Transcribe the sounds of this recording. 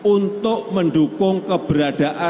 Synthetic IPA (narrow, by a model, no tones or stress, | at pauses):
unt̪ʊʔməɳɖukʊŋkəb̥əɾad̥aʔa